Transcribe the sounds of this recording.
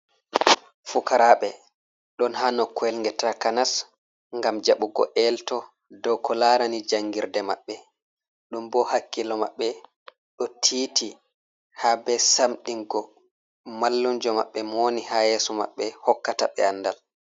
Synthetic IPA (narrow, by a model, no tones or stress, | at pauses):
fukaɾaɓɛ | ɗɔnhanɔkwɛlŋɡɛtakanas | ŋɡamd͡ʒaɓuɡɔ̰ʔɛltɔ | dɔwkɔlaɾanid͡ʒaŋɡiɾdɛma̰ɓːɛ | ɗumbɔhakːilɔma̰ɓːɛ | ɗɔtʰiːti | habɛsamɗiŋɡɔ | malːund͡ʒɔma̰ɓːɛmonihajɛːsɔma̰ɓːɛhɔkːataɓɛ̰anːdal